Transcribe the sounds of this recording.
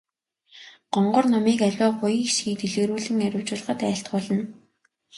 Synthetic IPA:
ɢ̥ɔɴɢʊ̆rnɔmiːkærʲɔːχʊj̆xʃɡiːt̪eɮeːɾuːɮɘ̆ŋæɾʲʊːwt͡ɕʊːɮə̆χə̆t̪æːɬt̪ɢʊːɮə̆n

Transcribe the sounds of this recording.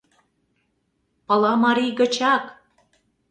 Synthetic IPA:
pɤ̆lɑmɑɾijɣə̆t͡ɕɑk

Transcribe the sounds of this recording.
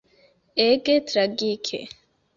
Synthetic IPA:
eːket̪ʰɾəɡiːkʰḛ

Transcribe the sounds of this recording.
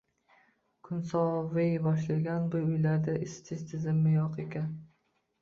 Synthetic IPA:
kʰʊnsɒvɪjbɒʃlaɡʲanbʊjʊjlaɾd̪aʔɪst̪ʰɪzt̪ʰɪzɪmːɪjoqekʲʰan

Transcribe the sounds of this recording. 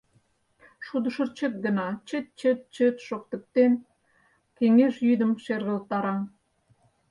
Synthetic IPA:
ʃud̪əʃə̆rt͡ɕə̆k̚ɡənɑt͡ɕət̪̚t͡ɕət̪̚t͡ɕət̪ʃokt̪ə̆k̚t̪en | keŋeʃjyd̪əmʃerɣə̆lt̪ɑɾɑ

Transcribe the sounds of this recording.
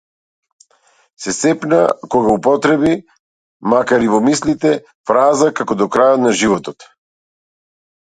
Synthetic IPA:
sɛsɛpnakɔɡaupɔt̪ɾɛbi | makaɾivɔmislit̪ɛ | fɾazakakɔd̪ɔkɾajɔt̪naʒivɔt̪ɔt̪

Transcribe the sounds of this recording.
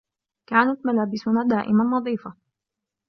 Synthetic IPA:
kaːnat̪malaːbɪsʊnaːd̪aːʔɪmanːɑðˤiːfa

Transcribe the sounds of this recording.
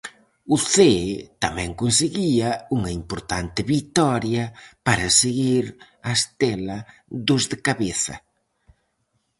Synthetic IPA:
ʊθet̪amɛ̃ŋkonseɣiɐuŋɐimpoɾt̪ant̪ɪβit̪ɔɾjɐpaɾɐseɣiɾ | ɐst̪elɐðʊzðɪkaβeθɐ̰

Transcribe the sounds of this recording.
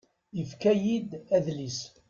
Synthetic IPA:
jəfkæjid̪æðlis

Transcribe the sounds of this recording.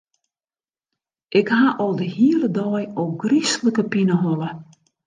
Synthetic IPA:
ʔɪkhaʔɔlˠdəhiələdɔːjowɡrisləkəpinəɦɔlə

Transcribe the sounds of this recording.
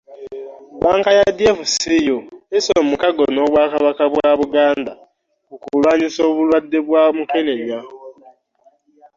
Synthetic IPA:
baːŋkajadjefusijoesomukaɡonoːβwaːkaβakaβwaβuɡaːnda | okulwaːɲiso̞ːβulwadːeβwamukeneɲa

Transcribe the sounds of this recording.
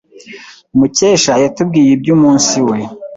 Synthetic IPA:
umuceːʃajatub̚ɡiːjeb̚ɟuːmuːnsiwe

